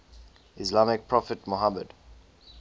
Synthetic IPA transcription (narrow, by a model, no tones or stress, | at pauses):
islamɪk̚pʰɹɔfətmoɦaməd̥